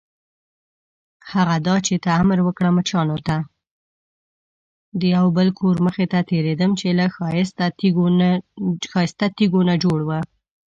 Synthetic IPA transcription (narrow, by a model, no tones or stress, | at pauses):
haɣad̪ɑt͡ʃet̪aːmɾwəkɽamət͡ʃɑnot̪a | d̪əjawbəlkʰoɾməxet̪at̪eɾed̪əmt͡ʃelaxɑɪst̪a | xɑjɪst̪at̪iɡonad͡ʒoɽwə